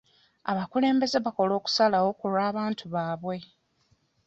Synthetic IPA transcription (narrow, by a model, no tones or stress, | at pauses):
aβakule̞ːmbe̞ze̞βako̞lo̞ːku̥salawo̞kuɾaːβaːntʰuβaːβwe̞